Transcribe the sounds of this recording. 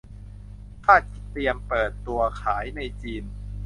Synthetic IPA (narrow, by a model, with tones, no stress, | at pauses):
t̪ʰaː˥˩ki˦˩t̪ːi˧əmpɤː˨˩t̪ːu˧ɐkʰaː˩˦jna˧jt͡ɕiː˧n